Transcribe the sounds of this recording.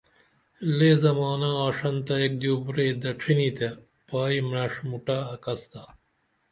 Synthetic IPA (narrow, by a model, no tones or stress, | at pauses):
leːzɐmaːnaaːʂɐnt̪ɐek̚d̪uːbɾeːd̪ɐʈ͡ʂʰinit̪e | paːimɾɐʂmuʈaːɐkɐst̪a